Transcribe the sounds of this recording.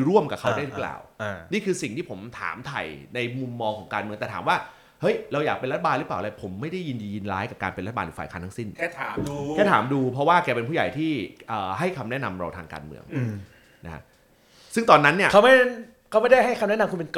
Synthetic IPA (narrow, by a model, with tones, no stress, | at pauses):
ɾu˥˩əmka˨˩kʰa˦˥waː˥˩jɾɯ˦˥pla̰ː˨˩wniː˥˩kʰɯː˧si˨˩ŋt̪ʰiː˥˩o˩˦mt̪ʰa̰ː˩˦mt̪ʰa̰˨˩jna˧jmu˧mːɔː˧ŋkʰɔː˩˦ŋkaː˧nmɯ˧əŋt̪ɛ˨˩aː˩˦mwaː˥˩ | hɤ˦˥jɾa˧wjaː˨˩k̚pe˧nla˦t̪ʰa˧baː˧lɯ˦˥paː˨˩lːpʰo˩˦mːa˥˩jda˥˩jːi˧ndiː˧ji˧nlaː˦˥jka˨˩kaː˧npe˧nɾt̪ʰːa˨aː˧ju˨˩aː˨˩kʰaː˧˥nt̪ʰsi˥˩nʰ˥˩aː˨˦˧kɛː˥˩t̪ʰaː˩˦mduː˧pʰɾɔ˦˥waː˥˩kɛː˧p̬e˧npʰu˥˩ja˨˩jt̪ʰiː˥˩ʔəː˨˩ha˥˩jkʰa˧mnɛ˦˥˨na˧mɾa̰˧wt̪ʰaː˧ŋka̰ː˧nmɯ̰˧əŋ˧ | na˦˥kʰa̰˦˥p̚ | sɯ˥˩ŋt̪ɔː˧nːa˦˥nːi˥˩ɐkʰa˦˥wma˥˩˥ | kʰa˦˥wma˥˩jda˥˩jɦa˥˩jkʰa˧mnɛ˦˥na˧mkʰu˧mpe˧nk